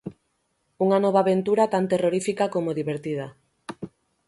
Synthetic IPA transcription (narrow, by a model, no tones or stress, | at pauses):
uŋanɔβ̞aβent̪uɾat̪ant̪eroɾifikakomoðiβeɾt̪ið̞ɐ